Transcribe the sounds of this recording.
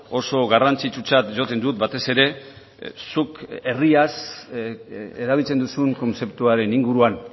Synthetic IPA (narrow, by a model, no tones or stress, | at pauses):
o̞so̞ɣarant͡sit͡sut͡sat̪ʝo̞t̪e̞nd̪ut̪̚bat̪e̞se̞ɾe̞ | suke̞rias | eɾaβilt͡se̞nd̪usuŋko̞nse̞pt̪uaɾe̞niŋɡuɾuan